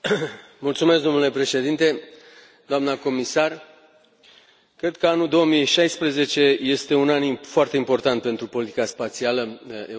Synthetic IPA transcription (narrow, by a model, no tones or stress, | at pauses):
mult̪sumesd̪o̞mnule̞pɾe̞ʃe̞d̪int̪e̞ | d̪oamnəko̞misar | kɾe̞d̪̚kəanuld̪o̞omiʃajspɾəze̞t͡ʃe̞je̞st̪e̞unanifoart̪e̞impo̞rt̪ant̪̚pe̞nt̪ɾupo̞lit̪ikaspat̪sialəe